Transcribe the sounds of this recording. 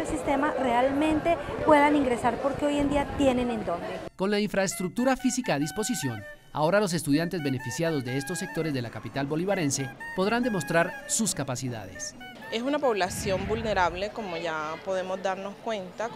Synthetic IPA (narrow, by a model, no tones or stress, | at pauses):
esist̪e̞mare̞almẽ̞nt̪e̞pwe̞ðaniŋɡɾe̞saɾpo̞ɾkeo̞je̞nd̪iat̪je̞ne̞nend̪ond̪eko̞nlaiɱfɾaest̪ɾuk̚t̪uɾafisikaːðispo̞sisjo̞ŋ | a̰o̞ɾalo̞s̬e̞st̪uðjant̪e̞zbe̞ne̞fisjað̞o̞zd̪e̞est̪o̞sːe̞k̚t̪o̞ɾe̞zðe̞lakapit̪albo̞liβaɾe̞nse̞po̞ð̞ɾand̪e̞mo̞st̪ɾaɾsuskapasiða̰ðe̞̰s | e̞sunapo̞βlasjo̞mbulne̞ɾaβle̞ko̞moʝapo̞ðe̞mo̞zd̪aɾno̞skwe̞nt̪a